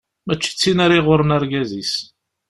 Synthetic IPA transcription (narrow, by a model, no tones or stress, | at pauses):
mæt͡ʃːi̥t͡sːinaɾiʁʊɾənaɾɡæzis